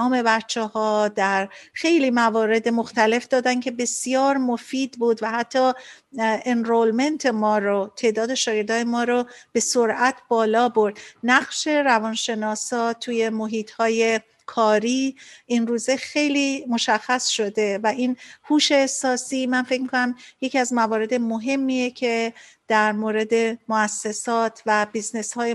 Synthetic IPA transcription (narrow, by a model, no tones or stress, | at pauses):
me̞bætt͡ʃʰːehɒːd̪æɾxe̞jliːmævɒːɾe̞d̪emo̞xt̪æle̞fd̪ɒːd̪æncʰe̞be̞sjɒːɾmo̞fiːd̪buːd̪væhæt̪ʰːɒː | enɾolme̞nt̪ʰe̞mɒːɾot̪ʰe̞ːd̪ɒːd̪e̞ʃɒːɡe̞ɾd̪ɒːjemɒːɾɔb̥e̞soɾæt̪ʰb̥ɒːlɒːboɾd̪̥næɣʃe̞ɾævɒːnʃe̞nɒːsɒːt̪ʰuːje̞moɦiːt̪hɒːje̞ | kʰɒːɾiːʔinruːze̞xejliːmo̞ʃæxːæsʃo̞d̪e̞væʔinhuːʃe̞ːsɒːsiːmænfe̞cmikʰonæmje̞cʰiæzmævɒːɾe̞d̪e̞moɦe̞mːiːjecʰe̞ | d̪̥æɾmoːɾe̞d̪e̞moæsːe̞sɒːt̪ʰvæbizneshɒːje